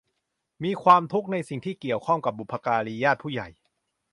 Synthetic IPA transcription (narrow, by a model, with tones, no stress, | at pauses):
miː˧kʰwaː˧mt̪ʰu˦˥k̚na˧jsi˨˩ŋt̪ʰiː˥˩ki˨˩əwkʰɔ˥˩ŋka˨˩p̚ːu˨˩pʰːa˧kaː˧ɾi˧jaː˥˩t̪̚pʰuː˥˩ja̰˨˩j